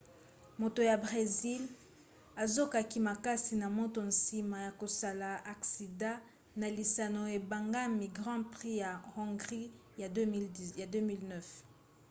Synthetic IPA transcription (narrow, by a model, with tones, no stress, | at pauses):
mo˨to˨ja˨bʁe˨zi˦l | a˨zo˦ka˨ki˨ma˨ka˦si˨na˨mo˦to˨n̩si˨ma˨ja˨ko˨sa˨la˨ʔa˨ksi˨dã˦ | na˨li˨sa˨no˨e˨ba˨ŋɡa˦mi˨ɡʁɑ̃˦pʁi˦ja˨hɔ̃˨ɡʁi˦ | ja˨˦ja˨dø˦mi˦lnœ˦f